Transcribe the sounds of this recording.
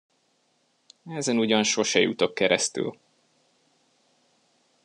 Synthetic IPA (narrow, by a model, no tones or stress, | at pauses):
ɛzɛnuɟɒnʃo̞ʃɛjut̪o̞kːɛɾɛst̪y̰l